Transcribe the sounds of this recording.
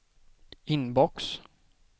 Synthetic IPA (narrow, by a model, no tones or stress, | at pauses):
ɪnbɔks